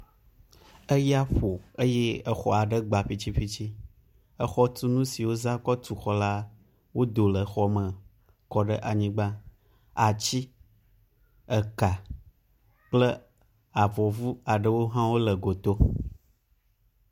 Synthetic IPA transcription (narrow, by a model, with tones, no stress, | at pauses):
ə˦ja˦ɸo˨ə˦jɛ˦ə˨xɔ˨a˨ɖə˦ɡ͡ba˨ɸi˦t͡ɕi˦ɸi˦t͡ɕi˦ | ə˨xɔ˦t̪u˦nũ˦si˨wo˦za˦kɔ˦t̪u˨xɔ˨la˦ | wo˦d̪o˨lə˨˦xɔ˦mə̃˨ | kɔ˦ɖə˦ʔa˨ɲĩ˦ɡ͡ba˦ | a˨t͡ɕi˦ | ə˨ka˨ | k͡plə˦ | a˨vɔ˨vu˦a˨ɖə˦wo˦ɦã˦wo˦lə˨ɡo˨t̪o˦